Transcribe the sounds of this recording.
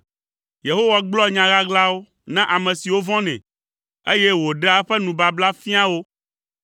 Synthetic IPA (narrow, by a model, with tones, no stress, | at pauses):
je˨ɦo˦wa˨ɡ͡blɔ˦ɲã˨ɣa˦ɡla˦wo˦ | nã˦ʔa˨mɛ̃˨si˨wo˦vɔ̃˦nɛ̰̃˨ | e˦je˦wo˨ɖe˦a˦ɸɛ˦nũ˨ba˨bla˦fĩ˦a˦wo˦